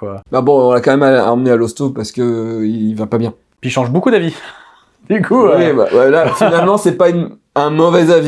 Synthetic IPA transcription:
kwababɔ̃ɔ̃nakɑ̃mɛmaa̰mnealɔst̪opaʁsə̥kəiilvapabjɛ̃ | piʃɑ̃ʒbokud̪avi | d̪̥ykʰuwiba̰wɛlafinalmɑ̃sɛpayn | ɛ̃mɔvɛzavi

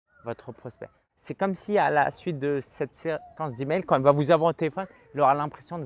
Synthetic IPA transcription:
vɔt̪χəpχɔspɛ̰ | sɛkɔmsiala̰sɥit̪̚d̪əsɛt̪sekɑ̃s̬d̪imɛjlkɑ̃ɛlvavuzavwaʁt̪elefɔn | ilɔʁalɛ̃pχesjɔ̃d̪

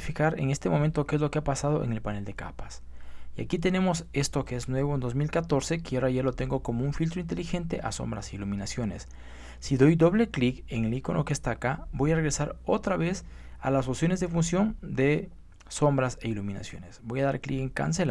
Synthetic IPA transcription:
ifikaɾe̞̰ŋe̞st̪emo̞ment̪o̞keezlo̞keapasað̞o̞ʔḛŋe̞lpane̞ld̪e̞ka̰pḁs | ia̰kit̪̬e̞ne̞mo̞se̞st̪o̞keeznwe̞βo̞end̪ozmilkat̪o̞ɾse̞kiaaoɾaʝeɾlo̞t̪e̞ŋɡo̞ko̞mouŋfilt̪ɾoint̪̬e̞lixe̞nt̪e̞̰ʔa̰so̞̰mbɾa̰seiluminasjo̞ne̞̰s | siðo̞jd̪o̞βle̞klike̞ŋeliko̞nʔokest̪akabo̞jareɾe̞saɾo̞t̪ɾaβe̞s | a̰lasopsjo̞ne̞zðe̞funsjo̞nd̪e̞ | so̞mbɾase̞ilumina̰sjo̞̰ne̞sbo̞jaðaɾklikeŋka̰ns̬el

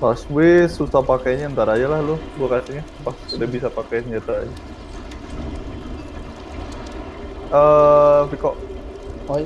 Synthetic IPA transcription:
paswɪsusahpakajɲaant̪aɾaɲalahlʊbuakasiɲa | pasudahbisapakajsəɲd͡ʒat̪aɲa | əfikɔʔ

